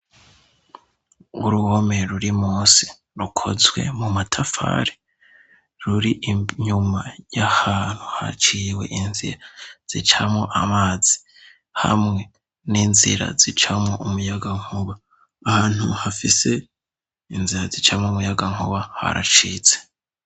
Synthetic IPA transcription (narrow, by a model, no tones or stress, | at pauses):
uɾuhomeɾuɾimuːsi̥ | ɾukʰo̞̰zwe̞̰mumatʰafa̰ɾi̥ | ɾuɾiʔɲumajahaːn̥huha̰t͡ʃiwe̞̰ʔinzḭɾaz̥it͡ʃamoʔamaːz̥i̥ | ha̰mŋe̞ | ninzḭɾa̰zit͡ʃamŋoumujaɡaŋ̥huβaː | haːn̥hṵhafise̞ | inziɾazit͡ʃamomujaɡaŋuβaha̰ɾa̰t͡ʃiːt͡se̥